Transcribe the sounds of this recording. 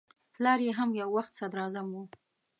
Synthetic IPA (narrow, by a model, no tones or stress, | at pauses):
plɑɾjeɦamjawːaxt̪sad̪ɾɑzamwu